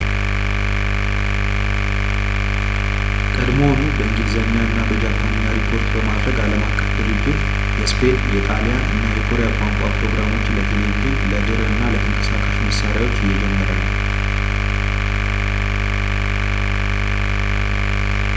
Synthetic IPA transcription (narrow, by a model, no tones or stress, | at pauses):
kʼəd̪monubəɨnd͡ʒidzəɲːaɨnːabəd͡ʒapʰːanəɲːaɾip̪ʰo̞ɾt̪bəmad̪ɾəɡaləmakʰːəfd̪ɨɾɾɨd͡ʒːɪt̪ | jɛspʰe̞t̪jɛt̪ʼalijaʔɨnːajɛkʰoɾijakʷʼːaŋkʷʼapʼɾo̞ɡɾamo̞t͡ʃːlət̪ʰeleɡiinləd̪ɨɾəɨnːalət̪ʰəŋkʼəsakʼaʃiməsaɾjawo̞t͡ʃːɪjːɛd͡ʒɛmːəɾən